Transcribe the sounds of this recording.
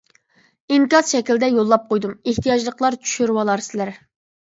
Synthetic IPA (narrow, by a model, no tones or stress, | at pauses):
iŋkɑsʃɛkʲild̪ɛjolˠːɑp̚qʰojd̪umeht̪ʰijɑd͡ʒlˠəqʰlˠɑɾt͡ʃʰy̥ʃyɾwɑlˠɑɾsɪlæɾ